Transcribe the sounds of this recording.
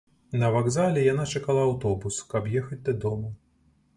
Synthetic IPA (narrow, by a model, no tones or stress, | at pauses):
nɐvaɡzalʲɛjanat͡ʂakalˠɐːwt̪ɔbuskɐbjɛxɐd͡zʲd̪ɐd̪ɔmɐ